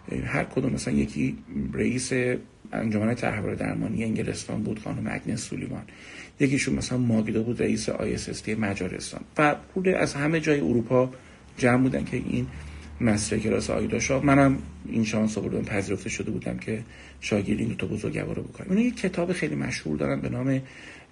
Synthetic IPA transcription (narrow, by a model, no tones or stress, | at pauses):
hæɾkʰod̪umːæsælæ̰nje̞̰cʰireʔiːse̞ | æ̰nd͡ʒomænet̪ʰæ̰ɾhvɒ̰ɾed̪æ̰ɾmɒ̰ːnijeeŋɟele̞̰st̪ɒ̰ːnbuːd̪̥xɒ̰ːnomeæ̰ɟnesulimɒ̰n | jeciːʃunmæsælænmɒːɡed̪ebuːd̪rḛʔiːseʔɒ̰ːjesest̪emæd͡ʒɒːɾḛst̪ɒ̰ːnvæpʰuleʔæ̰zhæme̞d͡ʒɒːjeoɾupʰɒ | d͡ʒæmbuːd̪æ̰ncʰe̞ʔinmæsiɾekʰelɒːseɒ̰ːjd̪ɒʃɒːmænæminʃɒnsoboɾd̪onpʰæziːɾo̞ft̪e̞ʃod̪ebuːd̪æ̰mcʰe̞ | ʃɒːɟeɾd̪ind̪ot̪ʰɒbozoɾɡɟæ̰vɒ̰ːɾobo̞konæ̰minɒjecʲʰːe̞t̪ʰɒːbexejlimæ̰ʃhṵɾd̪ɒ̰ːɾænbe̞nɒːme̞